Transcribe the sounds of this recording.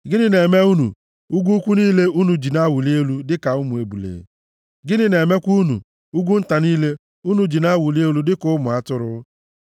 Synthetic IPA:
ɡɪ˦nɪ˦ne˨me˦u˦nṵ˨ | u˦ɡʷu˦kʷu˦niː˦le˦u˦nu˨d͡ʒi˨na˦wu˨li˦e˦lu˦dɪ˦ka˨ʊ˦mʊ˨e˦bu˨lḛ˨ | ɡɪ˦nɪ˦ne˨me˦kʷu˦nṵ˨ | u˦ɡʷu˦n̩˦ta˨niː˦le˦ | u˦nu˨d͡ʒi˨na˦wʊ˨li˦e˦lu˦dɪ˦kʊ˦mʊ˨a˦tʊ˦ɾʊ˦

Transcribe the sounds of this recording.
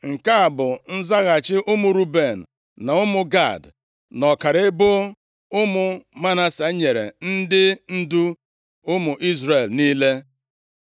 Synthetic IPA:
ŋ̩˨ka˦a˨bʊ˨n̩˦za˦ɣa˨t͡ʃɪ˦ʔʊ˦mʊ˨ɾu˦be˨n̩˨ | na˨ʊ˦mʊ˨ɡa̰˦˨d | nɔ˨ka˨ɾɪ˦bʊ˦ | ʊ˦mʊ˨ma˦na˦sa˨˦ɲe˨ɾḛ˨n̩˦dɪ˦n̩˦du˦ | ʊ˦mʊ˨ʔi˦zɾe˨lniː˦le˦

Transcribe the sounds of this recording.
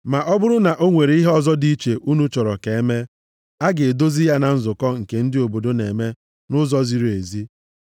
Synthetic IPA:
ma˨ʔɔ˦bʊ˦ɾʊ˦na˨ʔo˦ŋʷe˨ɾe˨˦i˦ɦe˦ɔ˨zɔ˦di˦t͡ʃe˨ʔu˦nu˦t͡ʃɔ˨ɾɔ˨ke˨e˦me˦ | a˦ɡe˨e˨do˦zi˦ja˦na˨n̩˦zʊ˨kɔ˦ŋ̩˨ke˨n̩˦dɪ˦o˨bo˨do˦ne˨me˦ | nʊ˦zɔ˦zi˨ɾe˨zi˦

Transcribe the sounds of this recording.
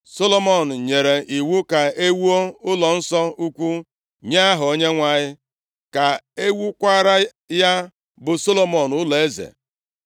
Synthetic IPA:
so˦lo˦mɔ˨n̩˨ɲe˨ɾe˨ʔi˨wu˦ka˨e˦wu˦o˦ʊ˦lɔ˨n̩˦sɔ˦u˦kʷu˦ | ɲa˦a˦ɦʊ˨o˦ɲe˦ŋʷa˦˨ɲɪ˦ | ka˨e˦wu˦kʷa˦ɾa˦ | ja˦ | bʊ˨so˦lo˦mɔ˨nʊ˦lɔ˨e˦zḛ˨

